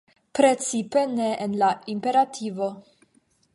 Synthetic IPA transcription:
pɾet͡sipeneʔːnlaimpe̞ɾatʰivo̞

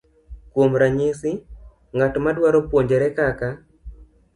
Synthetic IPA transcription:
kwomɾaɲɪsɪ | ŋatmadwaɾopwoɲd͡ʒeɾɛkaka

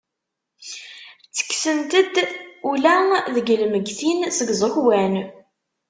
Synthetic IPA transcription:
t͡sːə̥kːsənt̪əd̪ulæðəɡlməɡθinsəɡzˤəxwæn

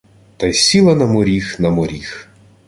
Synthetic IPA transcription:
t̪ɐjsʲilˠɐnɐmɔɾʲixnɐmɔɾʲix

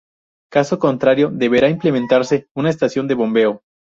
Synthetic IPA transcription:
kaso̞ko̞nt̪ɾaɾjo̞ðe̞βe̞ɾaimple̞mẽnt̪aɾse̞unaest̪asjo̞nd̪e̞βo̞mbe̞o

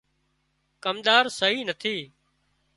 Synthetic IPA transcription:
kəmɗ̪aːɾsəɦiːnət̪ʰiː

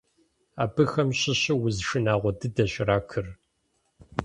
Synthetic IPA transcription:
aːbɨxɐmɕɪɕɪwʊzʂɨnaːʁʷɔdɨdɐɕɾaːkʰɨr

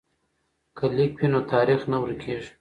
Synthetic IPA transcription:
kalik̚binot̪ɑːɾixnawəɾkʰeʐ

